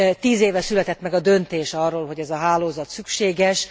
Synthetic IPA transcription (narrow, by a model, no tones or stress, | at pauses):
t̪iːzeːvɛsylɛt̪ɛt̪mɛɡɒd̪ø̞nt̪eːʃɒrːoːlɦo̞ɟɛzɒɦaːloːzɒt̪sykʃeːɡɛʃ